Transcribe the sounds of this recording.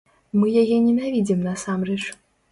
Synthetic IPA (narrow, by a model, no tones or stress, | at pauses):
mɨjaɣʲɛnʲɛnavʲid͡zʲimnɐsamrɛt͡ʂ